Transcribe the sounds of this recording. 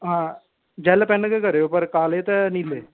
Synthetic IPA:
ɦãː | d͡ʒɛːlapɛnkekəɾeoːpəɾkaːlet̪ɛnileː

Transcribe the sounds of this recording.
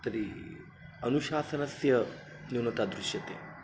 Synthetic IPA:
t̪ɐɾi | ɐnuʃaːsɐnɐsjɐ | niwnɐt̪ad̪ɾɪʃjɐt̪ḛː

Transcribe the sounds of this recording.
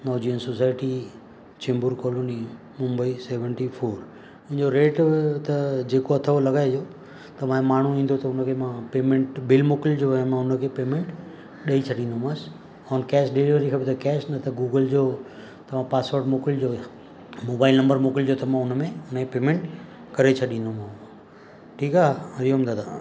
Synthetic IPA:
nɔːd͡ʑiːənsosaːɪʈi | t͡ɕẽːmbʊɾkɔːloːni | mʊ̃mbəiseːʋə̃ɳʈifʰoːɾ | ʊ̃ɦɪ̃ɲd͡ʑoɾeːʈt̪ɐd͡ʑeːkoɐt̪ʰəolɐɡaːed͡ʑo | t̪ɐʋãmaːɳ̤uĩːn̆d̪ot̪ɐʊnəkʰeːmãpeːmẽɳʈbɪlmoːkɪld͡ʑoːmãʊnə̆kʰeːpeːmẽɳʈ | ɗɐit͡ɕʰɐɗĩːnd̪omãːs | ɔːnkɛːsɖeliʋəɾikʰɐpet̪ɐkɛːsnɐt̪ʰɐɡuːɡəld͡ʑoː | t̪ɐʋãpaːsoːɾɖmoːkɪld͡ʑoː | moːbaːɪlnɐ̃mbəɾmoːkɪld͡ʑoːt̪ɐmãʊnə̆mẽʊnkẽpeːmẽɳʈ | kɐɾet͡ɕʰɐɗĩnd̪omãː | ʈʰiːkaːɾijoɦɐmt̪ʰat̪ʰaː

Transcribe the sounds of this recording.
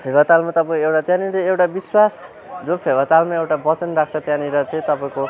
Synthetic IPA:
pʰebʱʌt̪almat̪ʌpãewʈat̪jãniɾʌewʈabiswas | d͡zopʰebʌt̪almaewʈabʌt͡sʌnrakʰt͡sʰʌt̪jãniɾʌt͡sʌĩt̪ʌpaĩko

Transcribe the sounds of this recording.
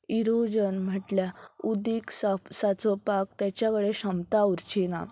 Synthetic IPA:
iɾod͡ʑənm̤əʈljaud̪ikssat͡sɔpakt̪jat͡ɕjakəɽeɕəmt̪auɾt͡ɕina̰

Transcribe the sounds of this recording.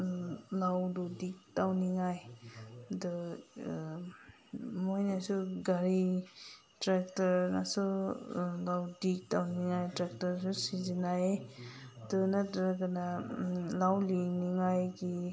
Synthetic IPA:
lawdɔdik̚tawniŋaj | dɯ | mojnasuɡaɾi | tɾak̚taɾnasu | lawdik̚tawniŋajtɾak̚taɾsusizinaj | dɯnatɾaɡanalawliniŋajɡi

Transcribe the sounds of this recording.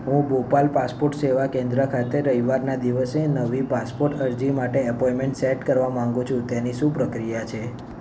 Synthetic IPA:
ɦũbopalpaspoɾʈseʋakẽnd̪ɾəkʰat̪eɾəɦiʋaɾnad̪iʋəsenəʋipaspoɾʈəɾd͡ʒimaʈeɛpɔjmeɳʈseʈkəɾʋamãŋɡũt͡ʃʰũt̪eniʃũpɾəkɾijat͡ʃʰe

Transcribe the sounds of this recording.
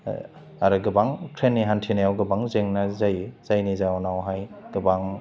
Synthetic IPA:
aɾɯɡɯbaŋkʰɾenːiɦantʰinajawɡɯbaŋzeŋnɐzajzajnizawnawɦajɡ̥ɯbaŋ

